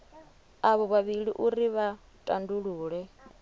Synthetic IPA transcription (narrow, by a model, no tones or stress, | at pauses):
aβɔβaβiɺiʔuriβa | tʼanduɺuːɺɛ